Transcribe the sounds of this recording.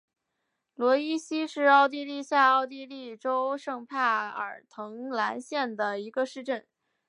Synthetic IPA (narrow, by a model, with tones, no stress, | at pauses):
lwɔ˧˥i˥ɕi˥ʂɻ̩˥˧ɑ˥˧ʊt̪̬i˥˧li˥˧ɕja˥˧ɑ˥˧ʊt̪i˥˧li˥˩ʈ͡ʂo˥ʊʂɤ˥˧ŋpʰa˥˩ɪə̰˞˨˩t̪ʰɤ˧˥ŋla˧˥nɕjɛ˥˩nd̪ə˩i˧˥ɡə˧ʂɻ̩˥˧ʈ͡ʂə˥˩n